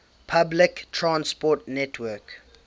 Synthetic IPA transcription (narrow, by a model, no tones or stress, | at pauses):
pʰablɪktʰɹãnspɔtnɛtʰwɜk